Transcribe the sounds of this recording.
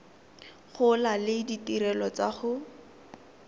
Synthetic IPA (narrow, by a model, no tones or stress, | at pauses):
χʊlalɪditiɾɛlɔt͡saχʊ